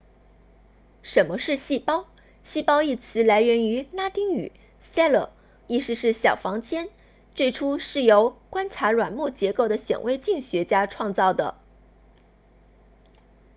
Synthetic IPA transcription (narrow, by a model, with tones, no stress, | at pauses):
ʂə˧˥nmə˧ʂɻ̩˥˧ɕi˥˩pɑ˥ʊ | ɕi˥˧pɑ˥ʊi˥˩t͡sʰɹ̩˧˥la˧˥ɪɥɛ˧˥ny˧˥na˥t̪i˥ŋy̰˨˩˦ | sa˥lə̰˨˩ | i˥˩ʂɻ̩˥˧ʂɻ̩˥˩ɕjɑ˨˩ʊfɑ˧˥ŋt͡ɕjɛ˥n | t͡swe˥˩ɪʈ͡ʂʰu˥ʂɻ̩˥˩jo˧˥ʊkwa˥nʈ͡ʂʰa˧˥ɻwa˨˩nmu˥˩t͡ɕjɛ˧˥ko˥˩ʊd̪ə˩ɕjɛ̰˨˩ŋwe˥ɪt͡ɕi˥˩ŋɕɥɛ˧˥t͡ɕja˥ʈ͡ʂʰwɑ˥˧ŋt͡sɑ˥˩ʊd̪ə̰˩